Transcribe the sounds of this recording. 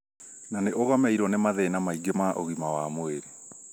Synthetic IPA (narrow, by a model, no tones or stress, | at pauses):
naneʔoɣɔmɛiɾwɔnemaðɛnamaiɡemaʔoɣimawamweɾe